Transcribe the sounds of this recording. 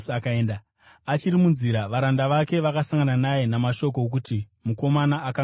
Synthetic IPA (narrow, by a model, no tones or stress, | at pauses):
akaeːnda | at͡ʃirimunziɾaʋaɾandaʋake̞ʋakasaŋɡananaje̞namaʃo̞k̬ok̬utimuko̞manaːka